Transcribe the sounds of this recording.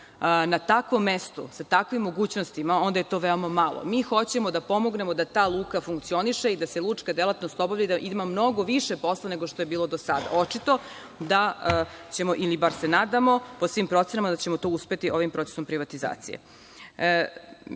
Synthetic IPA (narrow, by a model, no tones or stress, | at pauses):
nat̪akʋo̞mːest̪osat̪akʋimːo̞ɡuːt͡ɕnost̪imao̞nd̪ajet̪o̞ʋeo̞mamalˠo̰miːxo̞t͡ɕe̞mod̪apo̞mo̞ɡne̞mod̪at̪aːlˠuːkafuŋkt̪sio̞niʃeid̪aselˠut͡ʂkad̪e̞lat̪nost̪obavlʎad̪aʔid̪mamno̞ɡo̞ʋiʂepo̞slˠane̞ɡo̞ʃt̪ojebiːlˠo̞d̪osad̪a̰o̞t͡ʂit̪o̞ | d̪a | t͡ɕe̞moʔilibaɾsenaːd̪amo̞posʋimpɾo̞t̪senamad̪at͡ɕemot̪o̞uspe̞t̪iʔo̞ʋimpɾo̞t̪e̥sompɾiʋat̪iza̰ːt̪sḭjḛ